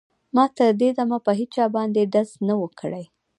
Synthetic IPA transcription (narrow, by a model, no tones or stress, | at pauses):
mɑt̪əɾd̪ed̪amapəɦit͡ʃɑbɑnd̪eɖaznawəkʰəɽəj